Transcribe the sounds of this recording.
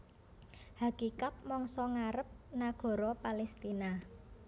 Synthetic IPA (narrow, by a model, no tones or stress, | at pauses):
hakikat̪̚mɔŋsɔŋaɾəp̚naɡ̥ɔ̤ɾɔpalɛst̪ina